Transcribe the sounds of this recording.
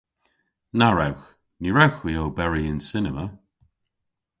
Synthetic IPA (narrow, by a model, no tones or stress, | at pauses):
naɹawx | niɹawxwioːbɛɹiɪnsɪnəmə